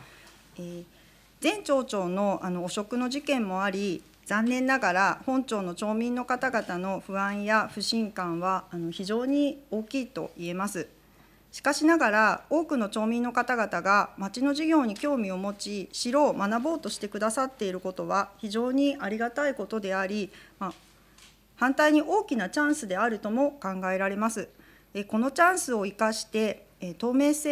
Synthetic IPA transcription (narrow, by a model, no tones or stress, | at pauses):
eː | zẽ̞ɲt͡ɕo̞ːt͡ɕo̞ːno̞ano̞ːɕo̞kɯ̟no̞ʑikẽ̞mːo̞aɾʲi | z̥ãnːẽ̞nːaɡaɾahõ̞ɲt͡ɕo̞ːno̞t͡ɕo̞ːmʲĩnːo̞kat̪aɡat̪ano̞ɸɯ̟ãɰ̃jaɸɯ̟ɕĩŋkãɰ̃βaːno̞çiʑo̞ːɲ̟io̞ːkʲiːt̪o̞̰ʔie̞masɨ | ɕi̥kaɕinaɡaɾao̞ːkɯ̟no̞t͡ɕo̞ːmʲĩnːo̞kat̪aɡat̪aɡamat͡ɕino̞ʑiɡʲo̞ːɲ̟ikʲo̞ːmʲio̞mo̞t͡ɕiɕiɾo̞ːmanabo̞ːt̪o̞ɕi̥t̪e̞kɯ̟d̪asat̪ːe̞iɾɯ̟ko̞t̪o̞βaçiʑo̞ːɲ̟iʔaɾʲiɡat̪aiko̞t̪o̞d̪e̞aɾʲima | hãnt̪aiɲ̟iʔo̞ːkʲinat͡ɕãɰ̃sɨd̪e̞aɾɯ̟t̪o̞mo̞kãŋɡae̞ɾaɾe̞masɨ | eko̞no̞t͡ɕãɰ̃sɨoikaɕi̥t̪e̞ | t̪o̞ːme̞ːse